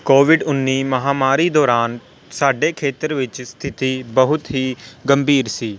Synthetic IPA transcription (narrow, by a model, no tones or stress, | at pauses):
koːʋɪɖʊnːiːməɦaːmaːɾiːd̪ɔːɾaːn | saːɖeːkʰeːt̪əɾʋɪt͡ʃst̪ʰɪt̪iːbəɦʊt̪ɦiːɡəmbʱiːɾsiː